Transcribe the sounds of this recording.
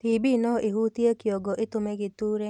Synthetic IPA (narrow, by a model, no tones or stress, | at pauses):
t̪ibinɔʔiɦut̪iekjɔɡɔʔɪt̪ʊmeɡɪt̪uɾe